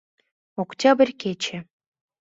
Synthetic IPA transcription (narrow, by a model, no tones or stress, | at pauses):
oktʲabʲə̆rʲkʲet͡ɕĕ